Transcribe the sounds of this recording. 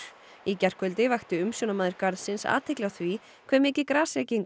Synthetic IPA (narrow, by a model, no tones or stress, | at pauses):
icɛr̥kʏlt̪ɪvaxt̪ʏʏmsjɔːnamaːðʏɾ̥kaɾðsɪnsa̰ːt̪ʰɛklɪaθvi | kʰv̥ɛːmɛjcɪkɾaːsɛcɪŋk